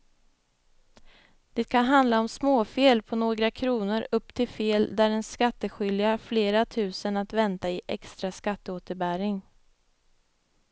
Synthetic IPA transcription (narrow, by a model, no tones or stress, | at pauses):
d̪̥ɛt̪̚kʰanɦand̪laɔmsmoːfeːlpʰɔnoːɡɾakʰɾuːnəɾɵpːt̪ʰɪlfeːld̪æɾɛnskat̪ːəɧʏljafleːɾat̪ʰʉ̟ːsənat̪vɛnt̪aɪʔɛ̰kst̪ɾaskat̪ːəoːt̪əɾbæɾɪŋ